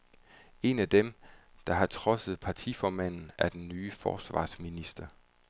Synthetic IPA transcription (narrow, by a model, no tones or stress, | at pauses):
e̝næd̥emd̥ɑ̈ɦɑ̈t͡sʰʁɒ̽səð̩ˠpʰɑ̈t͡sʰifɒːmæn̰n̩æɐd̥enːyːfɒ̰ːsʋɑ̰̈ːsminisd̥ɐ